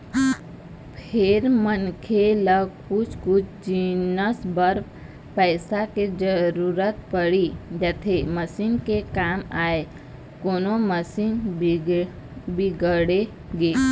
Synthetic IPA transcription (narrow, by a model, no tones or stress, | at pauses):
pʰeɾmənkʰeləɡ̚kʊt͡ʃʰkʊt͡ʃʰd͡ʒinəsbəɾ | pɛːɪsaked͡ʒəɾuɾət̪pəɽid͡ʒət̪ʰeməsiːnkekaːmaːe | koːnoməsiːn | biɡəɽe | ɡeː